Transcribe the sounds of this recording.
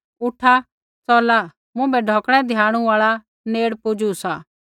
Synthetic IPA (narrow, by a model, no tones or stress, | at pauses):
ʊʈʰa | sɔːla | mʊ̃bɛɖʱɔːkɽ̃ɛ̃d̪ʱjãːɽ̃ũaːɭa | neːɽpʊd͡ʒusa